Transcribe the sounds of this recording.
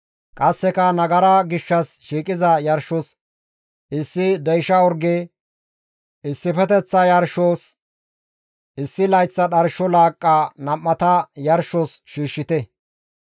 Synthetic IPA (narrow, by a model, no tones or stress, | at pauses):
kʼɐsːɛkɐnɐɡɐɾɐɡɪʃːɐsʃiːkʼɪzɐjɐɾʃɔs | ɪsːɪd̪ɛjʃɐɔɾɡeː | ɪsːɪpɛt̪ɛt͡sːɐjɐɾʃoːs | ʔɪsːɪlɐjt͡sːɐɗɐɾʃɔlaːkʼːanɐmːɐt̪ɐjɐɾʃɔsʃiːʃːɪt̪ɛ